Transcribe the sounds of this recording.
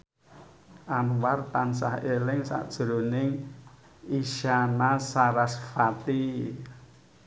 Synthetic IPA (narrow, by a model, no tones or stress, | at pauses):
ʔanwart̪ansa̰helɪŋsa̰ʔd̥ʒ̥ɾo̤nɪŋ | iʃanasaɾasfat̪i